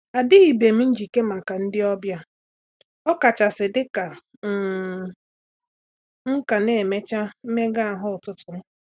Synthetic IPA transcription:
a˨dɪ˦i˨be˨m̩˦n̩˦d͡ʒi˨ke˦ma˨ka˨n̩˦dɪ˦ɔ˦bja˦ | ɔ˦ka˨t͡ʃa˨sɪ˨dɪ˦ka˨ | ŋ̩˦ka˨ne˦˨me˦t͡ʃa˦m̩˦me˦ɡa˦a˨ɦʊ˦ʊ˨tʊ˦tʊ˨˦

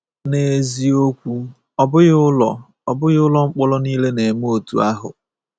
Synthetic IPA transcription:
ne˨e˨zi˨o˦kʷu˦ | ɔ˨bʊ˦ɣʊ˦lɔ˨ | ɔ˨bʊ˦ɣʊ˦lɔ˦ŋ͡m̩˦k͡pɔ˦lɔ˦niː˦le˦ne˨m˦o˨tṵ˨a˦ɦʊ̰˨

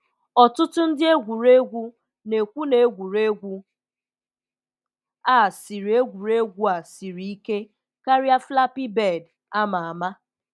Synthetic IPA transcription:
ɔ˨tʊ˦tʊ˦n̩˦dɪ˦e˦ɡʷu˨ɾe˦ɡʷu˦ | ne˨kʷu˦ne˨˦ɡʷu˨ɾe˦ɡʷu˦ | a˦˨si˨ɾi˨e˦ɡʷu˨ɾe˦ɡʷu˦a˨si˨ɾi˦i˦ke˦ | ka˦ɾja˦fla˦pi˦be˦˨d | a˦ma˨a˨ma˦

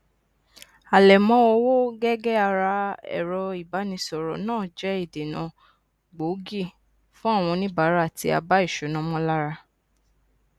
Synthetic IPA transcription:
a˨lɛ˨mɔ̃˦o˧wo˦ɡɛ˦ɡɛ˦a˧ɾa˧ɛ̰˨ɾɔ˧i˨ba˨˦nĩ˧˦sɔ˨ɾɔ̰˨nãː˦˨d͡ʒɛ˦i˦˨de˨nã̰˨˦ | ɡ͡bo˨˦ɡi˦˨ | fũ˦a˦˨w̃ɔ̃˧nĩ˦ba˨˦ɾa˦˨ti˧a̰˧ba˦i˦˨ʃo˨˦nɔ̃˦mɔ̃˦la˦ɾa˧

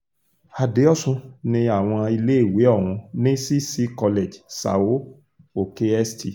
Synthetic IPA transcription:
a˨de˨˦ɔ˦sũ˧nĩ˧a˨w̃ɔ̃˧i˧le˦e˦˨we˨˦ɔ˦˨w̃ũ˧nĩ˦si˦si˦kɔ˧le˨d͡ʒsa̰˨wo˨˦ | o˨ke˧ɛ˦sti˧˨

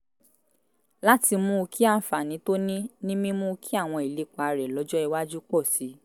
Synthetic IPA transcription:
la˦ti˧mũ˦˧kʰi˦a˦˨fa˨nĩ˨˦to˦nĩ˦nĩ˦mĩ˦mũ˦˧kʰi˦a˦˨w̃ɔ̃˧i˨le˨˦k͡pa˨˧ɾɛ˨lɔ˨˦d͡ʒɔ˦i˧wa˦d͡ʒu˦k͡pɔ˦˨si˨˦

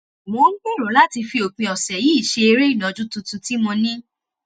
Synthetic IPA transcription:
mõ˨˦ŋ̩˦ɡ͡be˦˨ɾo˨˦la˦ti˧fi˧o˨k͡pĩ˧ɔ˨sɛ˨ji˦i˦˨ʃe˧e˧ɾe˦i˦˨nɔ̃˨d͡ʒũ˦tu˧tu˧ti˦mɔ̃˧nĩ˦

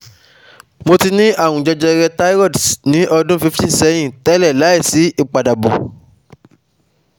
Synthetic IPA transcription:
mo˧ti˧nĩ˦a˦˨wũ˨d͡ʒɔ˧d͡ʒɛ˧ɾɛ˧ta˦i˦ɾɔ˦˨dnĩ˨˦ʔɔ˧dũ˦fi˧˦fĩ˦˨sɛ˨˦j̃ĩ˦˨tɛ˦lɛ˦˨la˨˦i˦˨si˨˦i˦˨k͡pa˨da˨bɔ̰̃˨

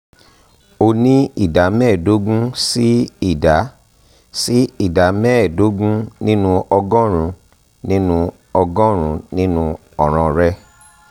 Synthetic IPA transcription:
o˧nĩ˦i˦˨da˨˦mɛ˦˨do˦ɡũ˦si˦i˦˨da˨˦ | si˦i˦˨da˨˦mɛ˦˨do˦ɡũ˦nĩ˦nũ˧ʔɔ˧ɡɔ̃˦ɾ̃ũ˨˧ | nĩ˦nũ˧ | ɔ˧ɡɔ̃˦ɾ̃ũ˨˧˦nĩ˦nũ˧ | ɔ˨ɾ̃ã˧ɾɛ˦

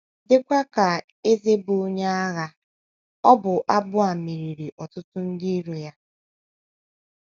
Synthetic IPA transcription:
dɪ˦kʷa˦ka˨ | e˦ze˦bo˨o˦ɲe˦a˦ɣa˦ | ɔ˦bʊ˨ʔa˦bʊ˦a˨mi˨ɾi˨ɾi˨ʔɔ˨tʊ˦tʊ˦n̩˦di˦i˦ɾu˨ja˦

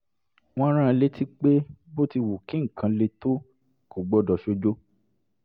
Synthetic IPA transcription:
w̃ɔ̃˦ɾ̃ã˦˧le˦ti˦k͡pe˦bo˦ti˧wu˨kĩ˨˦ŋ̩˨kʰã˨˧le˧to˦ | ko˨ɡ͡bɔ˧dɔ˨ʃo˧d͡ʒo˦

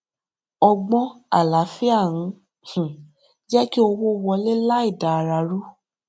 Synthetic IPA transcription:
ɔ˧ɡ͡bɔ̃˦a˨la˨˦fi˦a˦˨ɾ̃ũ˧˦ | hũ˨ | d͡ʒɛ˦ki˦o˧wo˦˧wɔ˧le˦la˦i˦˨da˨ɾa˨˦ɾu˦

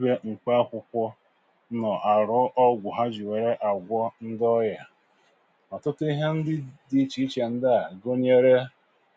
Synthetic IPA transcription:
be˦ŋ͡m̩˨k͡pa˦kʷʊ˨kʷɔ˦ | nɔ˨ʔa˨ɾʊ˨˦ʔɔ˦ɡʷʊ˨ɦa˦d͡ʒi˨we˨ɾe˦ʔa˨ɡʷɔ˦n̩˦dɔ˦ja˨ | ɔ˨tʊ˦ti˦ɦe˦n̩˦dɪ˦di˦t͡ʃi˦i˦t͡ʃe˨n̩˦da˦a˨ɡo˦ɲe˦ɾe˦

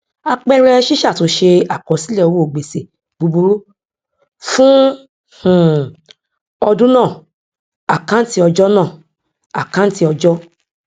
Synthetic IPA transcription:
a˧k͡pɛ˦ɾɛ˧ʃi˦ʃa˦˨to˨˧˦ʃe˧a˨kɔ˨˦si˦lɛ˦˨o˨wo˦o˨ɡ͡be˨se˨ | bu˨˧bu˧ɾu˦ | fũ˦ | h̩˨ | ɔ˧dũ˦nãː˦˨ | a˨kã˦n̩˦ti˦ɔ˧d͡ʒɔ˦nãː˦˨ | a˨kã˨˦n̩˦ti˧˦ɔ˧d͡ʒɔ˦

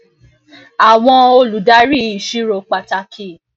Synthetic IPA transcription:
a˨w̃ɔ̃˧o˧lu˨da˨˦ɾi˦˨i˨ʃi˦ɾo˨k͡pa˨ta˧kʰi˧˨

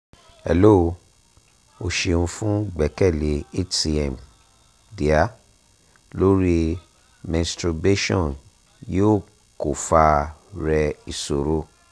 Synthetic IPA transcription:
ɛ̰˨lo˦o˧ | o˧ʃe˧ũ˧fũ˦ɡ͡bɛ˨kɛ˦˨le˨e˦ti˧ɛ˨m | di˨a˦ | lo˦ɾi˦ | mɛ̃˨stɾu˧be˦ʃɔ̃˦˨n | joː˦ | ko˨fa˧ɾɛ˧i˨so˨ɾo˦

